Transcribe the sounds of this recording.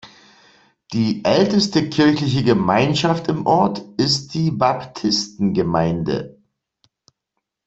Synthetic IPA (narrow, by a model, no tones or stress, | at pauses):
d̥iːʔɛltəstəkʰɪɐçlɪç̬əɡəmaɪnʃaftɪmʔɔɐtʔɪst̚d̥iːbaptʰɪstn̩ɡəmaɪndə̰